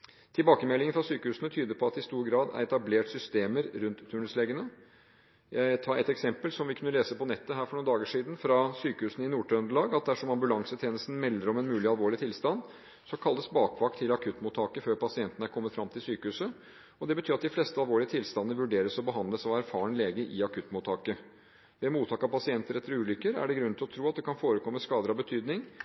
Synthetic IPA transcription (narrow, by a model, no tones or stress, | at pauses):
t̪ʰɪlbɑːkəmɛlːɪŋəfɾɑsyːkəhʉːsənət̪ʰyːd̪əpʰɔɑt̪ɪst̪uːɾɡɾɑːd̪æ̰ɾɛt̪ɑbleːʈsʏst̪eːməɾɾʉnt̪ʰːʉːɳəsleːɡənə | jʔæɪt̪ʰɑːɛt̪ɛksɛmpəlsɔmʋɪkʰʉnːəleːsəpɔnɛt̪ːəɦæːɾfɔɳuːnd̪ɑːɡəʂiːd̪n̩fɾɑsyːkəhʉːsnɪnuːʈʰœnd̪əɭɑːɡɑt̪̚d̪æʂɔmɑmbʉlɑŋsət̪ʰeːnəst̪n̩mɛlːəɾɔmɛnmʉːlɪɑlʋoːɭɪt̪ʰɪlst̪ɑnd̪ | sɔkʰɑlːəsbɑːkʰʋɑk̚t̪ʰːɪlɑkʰʉt̪ːmʊt̪ʰɑːkəføːɾpɑsɪɛnt̪ənəæɾkʰɔmːət̪fɾɑmt̪ʰɪlsyːkəʉːsə | ɔd̪ɛbət̪ʰyːɾɑt̪d̪ɪflɛst̪əɑlʋoːɭɪət̪ʰɪlst̪ɑnnəʋʉɖeːɾəsɔbəɦɑnd̪ləsɑæɾfɑːɳəleːɡəʔɪɑkʰʉt̪ːmʊt̪ʰɑːkə | ʋɛmuːt̪ʰɑːkɑpɑsɪɛnt̪əɾɛt̪ːəɾʉːlʏkːəɾæ̰ɖɛɡɾʉnnɪlɔt̪ʰɾuːɑt̪̚d̪ɛkʰɑnfoːɾəkʰɔmːəskɑːd̪əɾɑʋbət̪ʰyːd̪nɪŋ